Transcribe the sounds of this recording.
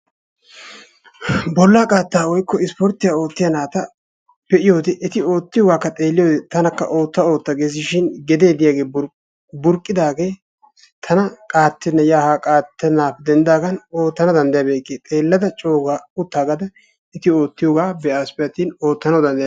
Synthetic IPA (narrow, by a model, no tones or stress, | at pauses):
bɔlːaːkʼaːt̪ːaːwɔjkːɔɪspɔɾt̪ːɪjaːo̞ːt̪ːɪjɐnaːt̪ɐ | b̥ɛʔɪjo̞ːd̪ɛʔɛt̪ɪo̞ːt̪ːɪjoɡaːkːɐt̪ʼe̞ːlːɪjo̞ːd̪ɛt̪ɐnɐkːɐ̰ʔo̞ːt̪ːɐo̞ːt̪ːɐɡeːs̬ɪʃɪnɡɛd̪e̞ːd̪ɪjaːɡe̞ː | bʊɾkʼːɪd̪aːɡe̞ː | t̪ʰɐnɐkʼaːt̪ːɛnːɐjaːhaːkʼaːt̪ːɛnaːpːɛd̪ɛnd̪aːɡɐno̞ːt̪ːɐnɐd̪ɐnd̪ɐjɐːbeːkʼːet̪ʼe̞ːlːɐd̪ɐt͡ʃʼo̞ːɡaʊt̪ːaːɡɐd̪ɐ | ɛt̪ɪo̞ːt̪ːɪjoːɡaːbɛʔaːspɛjɐt̪ino̞ːt̪ːɐnɐwd̪ɐnd̪ɐj